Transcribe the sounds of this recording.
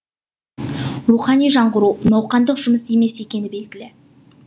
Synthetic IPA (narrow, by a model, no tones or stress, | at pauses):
ruχɑnijʒɑɴʁəɾunɑwqɑnd̪əqʒʊməse̞me̞se̞kʲe̞nɪbe̞lɡʲɪlɪ